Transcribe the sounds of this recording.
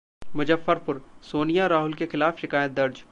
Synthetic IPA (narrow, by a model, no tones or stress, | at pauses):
mʊd͡ʒɐfːəɾpʊɾsoːnijaɾaːɦʊlkexɪlaːfʃɪkaːjət̪̚d̪ɐɾd͡ʒ